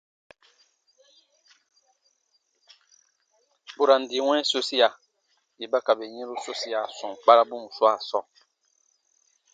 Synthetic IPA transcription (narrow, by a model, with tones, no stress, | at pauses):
bu˨ɾã˨n̩˨di˨w̃ɛ̃˦so˦si˦ja˨ | ji˨ba˦ka˨be˨ɲĩ˦ɾu˦so˦si˦a˨sɔ̃˨k͡pa˦ɾa˦bũ˦mu˨su˦a˨sɔ˨